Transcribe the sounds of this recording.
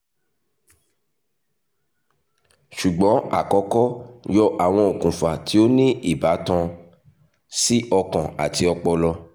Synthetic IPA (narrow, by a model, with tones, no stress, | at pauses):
ʃu˨ɡ͡bɔ̃˨˦a̰˨kɔ˧˦kɔ˦jɔ˧ʔa˨w̃ɔ̃˧o˨kũ˨fa˨tʰi˨˦o˦nĩ˦i˦˨ba˨˦tã˧ | si˦ʔɔ˧kã˨a̰˨ti˧ɔ˧k͡pɔ˧lɔ˧